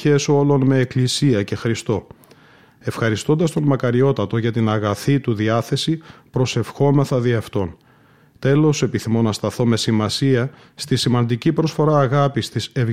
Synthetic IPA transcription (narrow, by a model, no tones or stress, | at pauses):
e̞so̞lo̞nme̞ːklisiɐce̞xɾist̪o̞ | e̞fxɐɾist̪o̞nd̪ɐst̪o̞nmɐkɐɾio̞t̪ɐt̪o̞ʝɐt̪inɐɣɐθit̪uðiɐθe̞sipɾo̞se̞fxo̞me̞θɐðiɐft̪o̞n | t̪e̞lo̞se̞piθimo̞nɐst̪ɐθo̞me̞simɐsiɐ | st̪isimɐnd̪icipɾo̞sfo̞ɾɐːɣɐpist̪ise̞v